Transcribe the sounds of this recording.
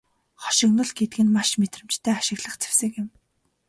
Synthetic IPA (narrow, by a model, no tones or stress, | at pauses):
χɔ̥ʃɪ̆knʊ̆ɮɡet̪̚ɡɘ̆nmaʃmet̪rɘ̆mt͡ɕt̪ʰæːaʃɪ̆ɣɮə̆χt͡sʰe̥wsɘ̆kɪ̆m